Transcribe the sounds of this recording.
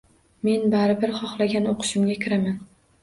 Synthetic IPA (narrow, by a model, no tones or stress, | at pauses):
me̞nbaɾɪbɪɾχɒχlˠaɡʲanoqʰʊ̥ʃɪmɡʲakʲʰɪɾaman